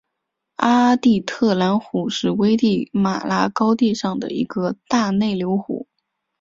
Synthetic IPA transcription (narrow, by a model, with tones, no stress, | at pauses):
a˥t̪i˥˧t̪ʰɤ˥˩la˧˥nxu˨˩ʂɻ̩˥˩we˥ɪt̪i˥˩ma̰˨˩la˥kɑ˥ʊt̪i˥˧ʂɑ˥˩ŋd̪ə̰˩ḭ˧˥ɡə˧t̪a˥˧ne˥˩ɪljo˧˥ʊxṵ˨˩˦